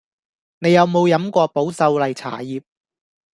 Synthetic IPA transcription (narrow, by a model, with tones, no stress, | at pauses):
ne˨˧jɐ˨˧wmo˨˧wjɐ˨˥mkʷɔː˧po˨˥wsɐ˧wlɐ˨jt͡sʰa̰ː˨˩jiː˨p̚